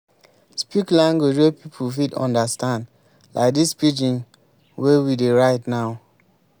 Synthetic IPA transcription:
spiklãŋɡed͡ʒwepʰipʰufitɔ̰̃ndəstãnd | la̰ɪk̚dispid͡ʒĩŋ | wewideɹaɪtnaʊ

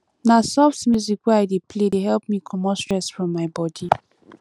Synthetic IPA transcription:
nasɔftmjuzikwɛaɪdepʰledeɦɛlp̚mikʰɔmɔstɹ̥ɛsfɹɔ̃mːaɪbɔdi

